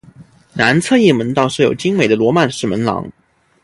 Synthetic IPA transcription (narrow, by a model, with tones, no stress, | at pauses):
na˧˥nt͡sʰɤ˥˧i˥˩mə˧˥nt̪ɑ˥˧ʊʂɻ̩˥˩jo˨˩ʊt͡ɕi˥ŋme˨˩ɪd̪ə˦lwɔ˧˥ma˥˧nʂɻ̩˥˩mə˧˥nlɑ̰˧˥ŋ